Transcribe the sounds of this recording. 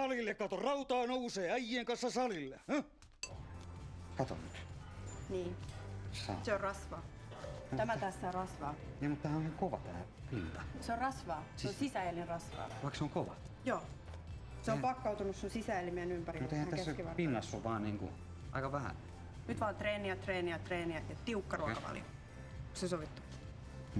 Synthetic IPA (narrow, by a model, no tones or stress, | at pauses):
ɑlilːekkɑt̪orɑut̪ɑːnouseːæijːeːŋkɑnsːɑsɑlilːeh | kɑt̪o̰nyt̪niː | sɑ̰seorrɑsʋɑː | æmæt̪æːssɑːrɑsʋɑːniːmut̪ːæhænoiheŋkoʋɑ̰t̪æː | pint̪ɑseorrɑsʋɑːseosisæelierɑsʋɑ̰ːʋɑˑikseoŋkoʋɑ̰ | joː | seopɑkːɑut̪unussonsisæelimeænympærimut̪eihæŋt̪ææskiʋɑrpinːɑsːuʋʋɑːnniːŋkṵ | ʔɑ̰ikɑʋæhæ̰n | nyt̪ʋɑːnt̪reːniɑt̪reːniɑt̪reːniɑt̪jɑtt̪iukːɑruɑkɑpɑ̰ljo̰ | ksesoʋit̪ːu̥kː